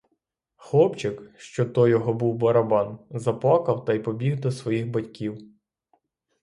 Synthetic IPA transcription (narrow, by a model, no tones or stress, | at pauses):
xlˠɔpt͡ʃɪkʃt͡ʃɔt̪ɔjɔɦɔbuwbɐɾɐbɑnzɐplˠɑkɐwt̪ɐjpɔbʲiɣd̪ɔsʋɔjixbɐtʲkʲiw